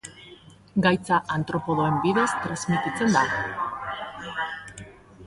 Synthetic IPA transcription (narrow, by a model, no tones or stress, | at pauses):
ɡajt͡saʔant̪ɾo̞po̞ðo̞e̞mbiðe̞st̪ɾazmit̪it͡se̞nd̪aɣo